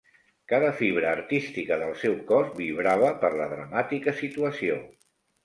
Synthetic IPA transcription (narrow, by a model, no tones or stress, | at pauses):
kaðəfiβ̞ɾəːɾt̪ist̪ikəðəlˠsɛwkɔzbiβɾaβ̞əpəɾləðɾəmat̪ikəsit̪uəsio